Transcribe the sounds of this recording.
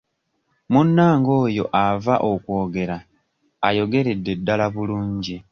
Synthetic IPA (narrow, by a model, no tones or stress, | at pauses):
munːaːŋɡo̞ːjo̞ʔavaʔokwo̞ːɡe̞ɾaː | jo̞ɡe̞ɾe̞dːe̞dːalaβuluːɲɟi